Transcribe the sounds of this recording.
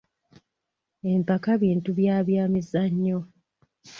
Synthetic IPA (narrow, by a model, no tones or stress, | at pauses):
e̞mpakaβiːntuβjaːβjaːmizaɲːo